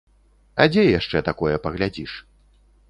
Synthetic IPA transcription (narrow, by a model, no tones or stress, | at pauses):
ɐ̰d͡zʲɛjaʂt͡ʂɛt̪akɔjɛpɐɣlʲad͡zʲiʂ